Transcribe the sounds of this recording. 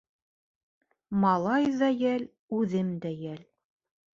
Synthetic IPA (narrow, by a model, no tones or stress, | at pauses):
mɑlˠɑjðæjæl | ʉðɘmd̪æjæl